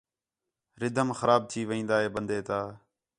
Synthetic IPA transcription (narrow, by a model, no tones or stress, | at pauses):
ɾɪd̪ʱəmxəɾaːb̚t̪ʰiːʋəĩːnd̪aːɦeːbənd̪ʱeːt̪aː